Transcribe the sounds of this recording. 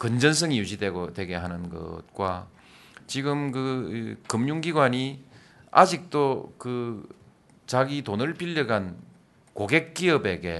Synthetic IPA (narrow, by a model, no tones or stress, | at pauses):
kɯnd͡ʑʌns̬ʰɯŋijud͡ʑidweɡotwe̞ɡe̞ɦanɯnɡʌ̰t̚kwa | t͡ɕiɡɯmkɯkɯmɲuŋɡiɡwaɲi | a̰d͡ʑik̚t͈okɯ | t͡ɕaɡitonɯɭpiʎːɯɡan | koɡe̞k͈iʌbe̞ɡe̞̰